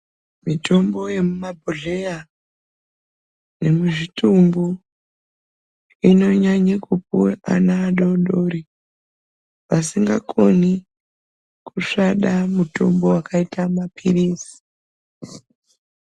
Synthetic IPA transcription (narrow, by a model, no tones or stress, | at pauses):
mitʰo̞mbo̞je̞mumabʱoɮeja | ne̞muʐitumbo | ino̞ɲaɲikupua̰naːɗoɗoɾi | ʋasiŋɡakʰoni | kuʂaɗamuto̞mbo̞wakaitamapʰirisi̥